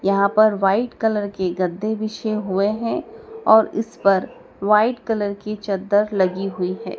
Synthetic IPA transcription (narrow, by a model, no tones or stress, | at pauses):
jɐɦãpɐɾʋaːɪʈkɐləɾkeɡɐd̪ʱːeʋɪʃeɦueɦɛ̃ɔːɾɪ̰spɐɾ | ʋaːɪʈkɐləɾkit͡ʃɐd̪əɾlɐɡiɦʊiɦɛ̰ː